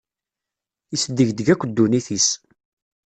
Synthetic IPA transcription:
isd̪ːəʝd̪əʝækʷːəd̪ːuniθis

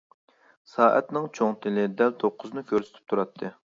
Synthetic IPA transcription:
sɑːʔɛ̰t̪nɪŋt͡ʃʰoŋt̪ʰɪlɪd̪ɛlt̪ʰoqʰːʊznɨkʲʰøɾsy̥t̪ʰy̥p̚t̪ʰuɾɑt̪ʰːɨ

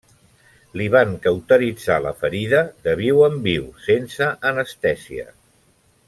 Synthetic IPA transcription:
liβ̞aŋkəwt̪əɾid͡zalə̰fəɾiðəðəβiwəmbiwsensəʔːnəst̪ɛsiə̰

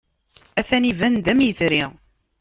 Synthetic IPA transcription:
æθænivænd̪æmjəθɾiʁ

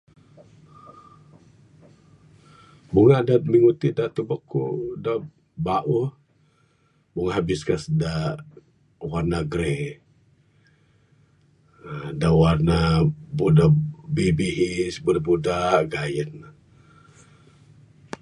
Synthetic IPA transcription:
buŋadat̪̚miŋut̪idat̪ubəkːṵda | baʔu | buŋaɦabiskasda | warnaɡɾe | dawarnabudabibiɦisbudabudaɡajən

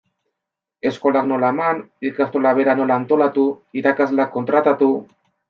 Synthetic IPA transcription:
e̞sko̞lakno̞laemanikast̪olaβe̞ɾano̞laːnt̪o̞lat̪uiɾakazlakːo̞nt̪ɾat̪at̪u

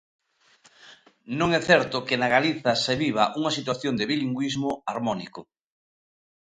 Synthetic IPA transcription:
nõŋɛθɛɾt̪ʊkɪnaɣaliθɐseβiβɐʔuŋɐsit̪̬waθjond̪eβiliŋɡwizmʊaɾmɔnikʊ

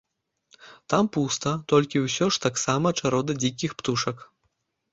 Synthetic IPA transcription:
t̪ampust̪ɐt̪ɔlʲkʲiwsʲɔʂt̪aksamɐt͡ʂaɾɔd̪ɐd͡zʲikʲixpt̪uʂɐk

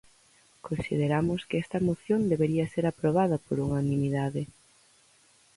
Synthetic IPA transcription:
konsḭð̞eɾamʊskɪɛst̪ɐmoθjond̪eβeɾiɐseɾapɾoβ̞aðɐpoɾuŋanĩmiðaðɪ

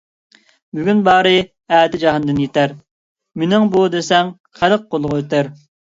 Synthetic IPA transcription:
byɡʲynbɑːɾɨ | ɛːd̪ɪd͡ʒɑɦɨnd̪ɨnjet̪æɾ | menɪŋbud̪esɛŋ | χæləq̚ːolˠʁʊøt̪ɪɾ

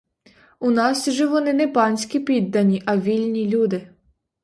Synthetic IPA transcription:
unɑsʒɛʋɔnɪnɛpɑnʲsʲkʲipʲid̪ːɐnʲiʔɐʋʲilʲnʲilʲud̪ɪ

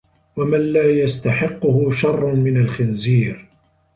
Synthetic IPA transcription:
wamanlaːjast̪aħɪqːʊhʊʃɑrˤːʊmɪnalxɪnziːɾ

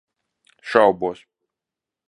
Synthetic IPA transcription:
ʃawbuɔs

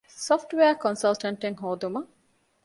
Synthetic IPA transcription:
sofʈʋeɐkonsɐlʈɐɳʈeŋɦoːd̪umɐ

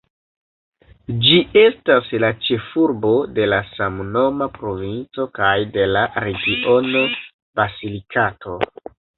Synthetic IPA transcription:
d͡ʒie̞staslat͡ʃe̞fuɾbo̞de̞lasamno̞mapɾo̞vint͡so̞kajde̞laɾe̞ɡiʔo̞no | b̥azilikatʰo̞

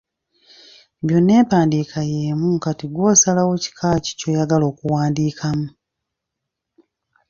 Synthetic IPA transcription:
βjo̞nːe̞ːpaːndiːkʰajeːmuŋkatiɡwo̞ːsalawoci̥kʰaːci̥co̞jaɡalo̞ːkuwaːndiːkʰamu

